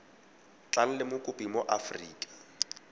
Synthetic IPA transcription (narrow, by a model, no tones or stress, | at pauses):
t͡ɬʼal̩lɪmʊkʼʊpʼimoʔafriːkʼḁ